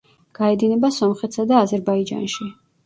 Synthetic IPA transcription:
ɡ̥aɛd̪inɛbasɔmχɛt̪sad̪aːzɛɾbaid͡ʒa̰nʃi

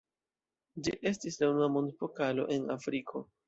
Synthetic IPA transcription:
d͡ʒiʔe̞stislanuamo̞ndpo̞kalo̞̰ʔe̞nafɾikʰo̞

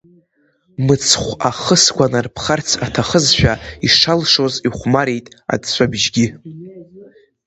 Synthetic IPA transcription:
mɨt͡sʰχʷaχəsɡʷanarpʰχart͡sʰatʰaχəzʃᶣaiʂalʂo̞ziχʷmaɾejtʼa̰dt͡ɕʷʰabʒɡʲɪ

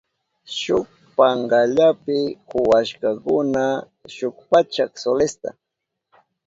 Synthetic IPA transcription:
ʃʊk̚ | paɴɢaʎapɪkʊwaʃkakʊna | ʃʊkpat͡ʃaksolest̪a̰

